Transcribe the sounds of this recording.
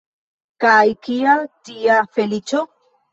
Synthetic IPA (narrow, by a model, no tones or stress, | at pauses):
kajkiat̪iafelit͡ʃo